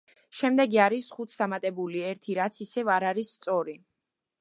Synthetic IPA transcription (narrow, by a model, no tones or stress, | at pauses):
ʃɛmd̪ɛɡiaɾisχut̪sʰd̪amat̪ʼɛbuliɛɾt̪ʰiɾat̪sʰisɛvaɾaɾisːt̪sʼɔɾi